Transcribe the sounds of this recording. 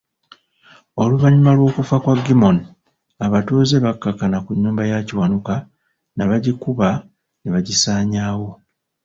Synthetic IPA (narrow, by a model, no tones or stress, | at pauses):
o̞luvaɲiumalwo̞ːkufakwaɡimo̞ni | aβatuze̞βakːakːanakuɲːuːmbajaciwanuka | naβaɟikuβa | niβaɟisaːɲaːwo̞